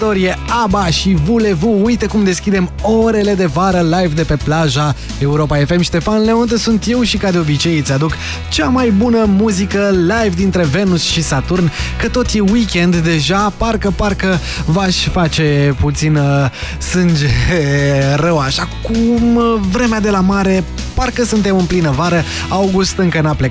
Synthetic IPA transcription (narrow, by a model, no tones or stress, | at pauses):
t̪o̞ɾijeabaʃivule̞vuujt̪ekumd̪e̞skʲid̪e̞moɾe̞le̞d̪e̞vaɾəlajvd̪e̞pe̞plaʒa | e̞uɾo̞pae̞fe̞mʃist̪e̞fanleunt̪əsunt̪je̞wʃikad̪eo̞bit͡ʃe̞jt̪sʲad̪uk | t͡ʃamajbunəmuzikəlajvd̪int̪ɾe̞ve̞nusʃisat̪urnkət̪o̞t̪jewikʲe̞nd̪ːe̞ʒaparkəparkə | vaʃʲfat͡ʃe̞put̪sin | sɨnd͡ʒe | rəwaʃakumvɾe̞mead̪e̞lamaɾe̞ | parkəsunt̪e̞mɨnplinəvaɾə | awɡust̪ɨŋkənaple